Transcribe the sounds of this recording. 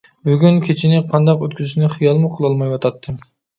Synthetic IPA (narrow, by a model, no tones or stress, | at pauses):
byɡʲynkʲʰet͡ʃʰinɪqʰɑnd̪ɑqøt̪kʲyzyʃnɪχijɑlˠmuqʰəlˠɑlˠmɑjwɑt̪ʰɑt̪ʰːɨm